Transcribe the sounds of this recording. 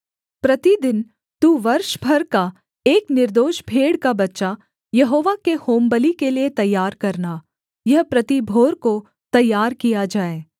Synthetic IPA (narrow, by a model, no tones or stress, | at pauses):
pɾɐt̪id̪ɪn | t̪uːʋɐɾʃbʱɐɾka | eːknɪɾd̪oːʃbʱeːɽkabɐtːʃa | jɐɦoːʋakehoːmbəlikeliet̪ɐjːaːɾkɐɾna | jɐɦpɾɐt̪ibʱoːɾko | t̪ɐjːaːɾkijad͡ʒaːeː